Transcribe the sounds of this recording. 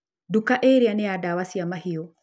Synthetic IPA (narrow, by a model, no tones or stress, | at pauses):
dukaʔeɾianeadawasiamaɦijɔ